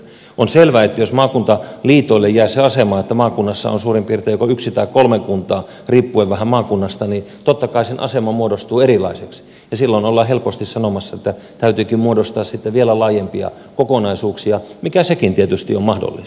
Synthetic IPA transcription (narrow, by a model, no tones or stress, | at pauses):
onselʋæet̪ːæjosmɑːkunt̪ɑliːt̪oilːejjæiseɑsemɑːet̪ːæmɑːkunːɑsːɑ̰o̰nsuːrimpiːrt̪ejokoyksit̪ɑikkolmekunt̪ˑɑː | riːpːueʋæhæmmɑːkunːɑst̪ɑnit̪ot̪ːɑkɑisenʔɑ̰semɑmuodost̪uːerilɑ̰iseks | jɑsilːonolːɑhelpost̪issɑnomɑsːɑet̪ːæ | t̪æyt̪yːkimmuodost̪ɑːssit̪ːeʋielælɑːjempiɑ̰ | kokonɑisuːksiɑmikæsekint̪iet̪yst̪iommɑhdo̰lːḭs